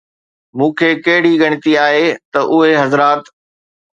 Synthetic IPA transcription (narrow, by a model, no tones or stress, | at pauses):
mũːkʰeːkɐɦɪɽiɡɐɽ̃ɪt̪iaːɦeːt̪ɐʔʊɦeɦɐzɾaːt̪